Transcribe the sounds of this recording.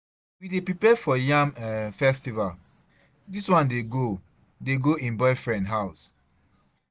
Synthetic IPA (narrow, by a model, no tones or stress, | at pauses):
widepɹipɛfɔjãmɛfɛstival | diswãndeɡo | deɡoĩnbɔɪfɹɛ̃ndɦaʊs